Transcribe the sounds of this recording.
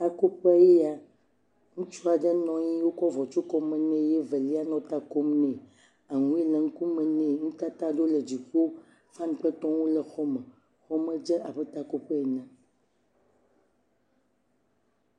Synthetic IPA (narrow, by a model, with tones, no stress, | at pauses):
ta˨ko˦pje˦ja˨ | ŋũ˦t͡ʃu˦a˨ɖə˦nɔ̃˦ɲĩ˦wo˦kɔ˦vɔ˨t͡ʃu˦kɔ˦mə̃˨nɛ̃˦je˦və˨li˦a˦nɔ̃˦t̪a˦ko˦mnɛ̃˨ | a˨ŋũ˦e˦lə˨ŋ̩˦ku˦mə̃˨nẽ˨ŋũ˦t̪a˦t̪a˦ɖo˦lə˨d͡ʑi˨ɸo˦ | fa˦n˨k͡pə˦t̪ɔ̃˦wo˦lə˨xɔ˦mə˨ | xɔ˦mə˦d͡ʒə˦ʔa˨bə˦t̪a˦ko˦pə˦e˨nə̃˨